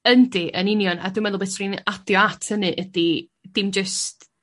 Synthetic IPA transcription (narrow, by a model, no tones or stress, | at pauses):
əndiʔənɪnjɔna̰dɪmɛðlˠbesrinadjɔatʰənɨʔədi | d̥ɪmd͡ʒəst